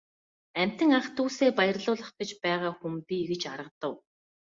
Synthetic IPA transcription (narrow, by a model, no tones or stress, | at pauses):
æm̥ʲt̪ɘ̆ŋaχt̪ʰuːseːpajə̆rɮʊːɮə̆χɡ̥ĕt͡ɕpæːʁaːxumpiːɡɘ̆t͡ɕaɾə̆qt̪ə̆w